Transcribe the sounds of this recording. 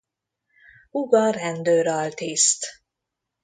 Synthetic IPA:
uɡɒrɛnd̪øːɾɒlt̪ist̪

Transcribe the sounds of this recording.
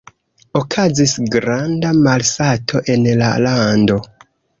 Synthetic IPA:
okʰazisɡɾandamalsatʰo̞ʔe̞nla̰lando̞

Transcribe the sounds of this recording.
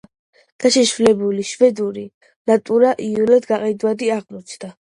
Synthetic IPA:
ɡ̥aʃɛʃvlɛbuliʃvɛd̪uɾi | nat̪ʼuɾaʔiulɔt̪ɡaqʼɛd̪vad̪iaʁmɔt͡ʃʰd̪a

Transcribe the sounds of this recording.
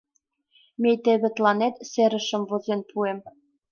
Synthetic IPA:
mʲejt̪ĕβɘ̆t̪lɑnet̪seɾɘ̆ʃɘ̆mvŏzenpʰuem

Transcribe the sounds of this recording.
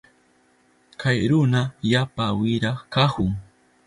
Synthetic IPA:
kʰajɾʊnaʎapawɪɾɑχkahʊŋ

